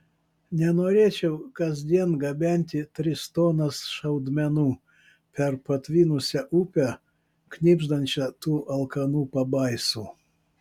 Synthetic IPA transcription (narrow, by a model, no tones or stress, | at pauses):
nʲɛnoːɾʲeːt͡ʃʲɛʊkɐzʲd̪ʲiɛnɡɐbʲɛnʲt̪ʲɪt̪ʲɾʲɪst̪oːnɐsʃɐʊd̪ʲmʲɛnuː | pʲɛɾpɐt̪ʲʋʲiːnʊsʲɛʔupʲɛ | knʲiːbʒd̪ɐnʲt͡ʃʲɐt̪uːʔɐlˠkɐnuːpɐbɐɪsuː